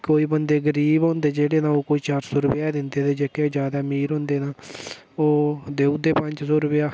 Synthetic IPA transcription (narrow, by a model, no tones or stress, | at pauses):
koːiːbənd̪eːɡəɾiːbãːnd̪eːd͡ʒeːɽeːnãːoːkoːiːt͡ʃaːɾsoːɾʊpjaːd̪ɪnd̪eːd̪eːd͡ʒeːkeːd͡ʒjaːd̪aːmiːɾɦʊ̃ːnd̪eːnãː | oːd̪eːud̪eːpə̃ɲt͡ʃsoːɾʊpɪjaː